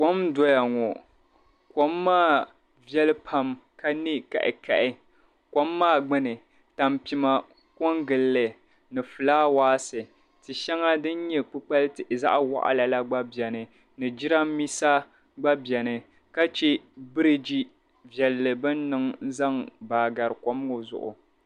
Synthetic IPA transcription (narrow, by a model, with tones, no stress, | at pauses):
kʷo˦mdɔ˦ja˨ŋɔ˨ | ko˦mːaː˦˨ | vɛ˦lɨ˦pʰa˨mka˦ni˦ka̰˨ʔɪ̰˨kʰa̰˨ʔɪ˦ | ko˦mːaː˦˨ɡ͡bɨ˦nɨ˨ | ta˨mpi˨ma˨ | ko˦ŋɡɨ˨lːɨ˨ | nɨ˨fɨ˨laː˦waː˦sɨ˨ | tɨ˨ʃɛ˦ŋa˦dɨ˦n˦ɲɛ˦k͡pɨ˦k͡pa˦lɨ˦tɨ˨ʔza̰˦ʔwa̰˦˨ʔa̰˨la˨la˦ɡ͡ba˦bɛ˨nɨ˨ | nɨ˨d͡ʒɪ˦ɾa˦mmːi˦sa˦ | ɡ͡ba˦bɛ˨nɨ˨ | ka˦t͡ʃe˦bɨ˦ɾɨ˦d͡ʒi˦ | vjɛ˨lːɨ˨bɨ˦nː˦ɨ˨ŋ̩˦za˦ŋbaː˨ɡa˨ɾɨ˨ko˦m˦ŋo˨zʊ̰˨ʔʊ̰˨